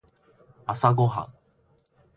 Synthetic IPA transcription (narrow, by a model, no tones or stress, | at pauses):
asaɡoɦa̰